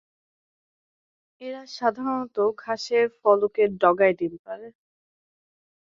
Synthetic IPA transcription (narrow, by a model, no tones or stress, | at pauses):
eɾaʃad̪ʱaɾonɔt̪okʰaʃeɾfɔlokeɾɖɔɡaed̪ibepaɾe